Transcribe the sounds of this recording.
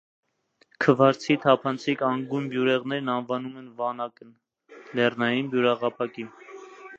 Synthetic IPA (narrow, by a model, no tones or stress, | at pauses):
kʰəvɑɾt͡sʰit̪ʰɑpʰɑnt͡sʰikɑŋɡunbjuɾɛʁnɛɾnɑnvɑnumɛnvɑnɑkən | lɛrnɑjinbjuɾɑʁɑpʰɑkin